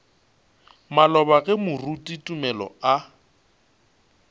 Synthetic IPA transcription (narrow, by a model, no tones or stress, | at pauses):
malɔbaɣɛmʊrutʼitʼumɛlɔ̰a